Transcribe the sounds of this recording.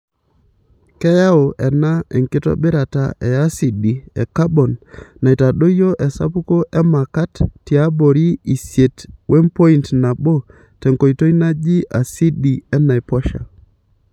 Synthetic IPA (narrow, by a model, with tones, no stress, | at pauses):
kɛ˦ja˦o˨ʔɛ˨na˦ɛ˨ŋkɪ˦tɔ̰˦bɪ˦ɾa˨ta̰˨ʔɛ˨a˦si˨di˨ɛ̰˨ka˦bɔ˨nːa˨i˨ta˨ɗo˦jo˦ʔɛ˨sa̰˦pu˦ko˦ʔɛ˦ma˨ka˦tːi˨a˦bo˨ɾi˦i˨sje˨twʔe˦mpo˦i˦˨ntna˨bo˦ | tɛ˨ŋko˨i˨to˦i˦na˦d͡ʒi˦ʔa˨si˦ɗi˨ɛ˦na˨e˨pɔ˦ʃa̰˨